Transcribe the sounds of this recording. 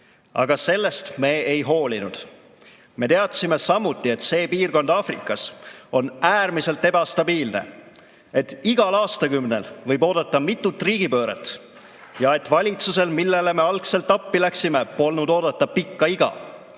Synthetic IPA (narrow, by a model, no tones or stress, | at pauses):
ɑ̰ɡ̥ɑse̞lːe̞st̪me̞ːejɦo̞ːlʲinud̪̥ | me̞t̪e̞ɑt̪sime̞sɑmːut̪ːˑie̞t̪ːse̞ːpiːrko̞nd̪̥ɑːfrikːˑɑso̞næːrmise̞lt̪ːe̞bɑst̪ɑbiːlnḛ | e̞t̪ːiɡ̥ɑlɑːst̪ɑkymne̞̰lvɤ̞jbo̞ːd̪̥ɑt̪ːɑmit̪ˑːut̪ːˑriːɡ̥ipø̞ːɾḛt̪ːˑ | jɑe̞t̪ːˑvɑlʲit̪suse̞lmilːele̞me̞ɑlkse̞lt̪ːˑɑpːilæksime̞po̞lnud̪o̞ːd̪̥ɑt̪ːɑpikːɑiɡ̥ɑ̰